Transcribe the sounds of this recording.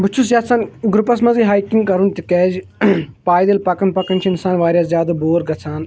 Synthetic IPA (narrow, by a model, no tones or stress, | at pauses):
but͡ʃʰus̬jaːt̪sanɡɾupɐs̬mɐziːɦaːikiŋɡkɐɾunt̪ikɛːd͡ʒpaːjd̪elpɐkɐnpɐkɐnt͡ʃʰiɪnsaːnʋaːɾʲjaszjaːd̪ɐboːɾɡɐt͡sʰaːn